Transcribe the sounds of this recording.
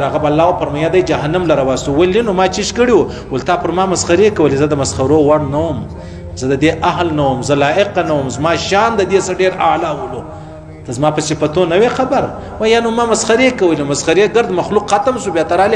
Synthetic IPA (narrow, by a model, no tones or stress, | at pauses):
aɣabalːɑwapəɾmajad̪ajd͡ʒaɦanamlaɾawɑst̪uwəlinomɑt͡ʃiʃkəɽiwu | wəlt̪ɑpəɾmɑmasxaɾekawəlezəd̪əmasxaɾowaɽnawəm | zəd̪əd̪eʔaɦlnawəmzəlɑɪqanawəmzmɑʃɑnd̪əd̪esaɖeɾalawəlo | t̪azmɑpəsɪfat̪onəwexabaɾ | wajanomɑmasxaɾekawəlemasxaɾeɡəɾd̪maxluqxat̪amsubjɑt̪aɾale